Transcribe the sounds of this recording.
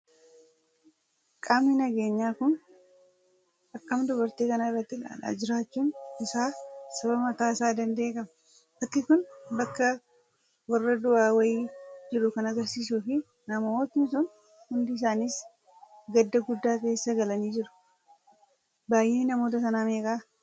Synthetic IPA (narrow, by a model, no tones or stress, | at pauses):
kʼaːmninɐɡe̞ːɲːaːkʊn | ʔɐkːɐmd̪ʊbɐɾt̪iːkɐnaɪrːɐt̪ːɪɡa̰ːᶑa̰ːd͡ʒɪɾaːt͡ʃːuːnɪsaːsɐβɐmɐt̪aːsaːd̪ɐnd̪eːkʼɐmɐ | ʔɐt̪ːɪkʊnbɐkːɐ | wɐrːɐd̪ʊʔaːwɐjiːd͡ʒɪɾʊkɐnɐɡɐɾsiːs̬uːfɪ | nɐmmo̞ːt̪ɪnɪsʊn | hʊnd̪ɪːs̬aːniːs | ɡɐd̪ːɐɡʊd̪ːaːke̞ːsːɐɡɐlɐniːd͡ʒɪɾʊ̥ | baːjʔeːnɐmo̞ːt̪ɐsɐnaːmeːkʼaː